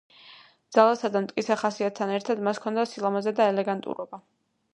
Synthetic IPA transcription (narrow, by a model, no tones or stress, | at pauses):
d̪z̥alˠasad̪amt̪ʼkʼit̪sʰɛχasiat̪̚t̪ʰːanɛɾt̪ʰad̪maskʰɔnd̪asilˠamazɛd̪aɛlɛɡant̪ʼṵɾɔba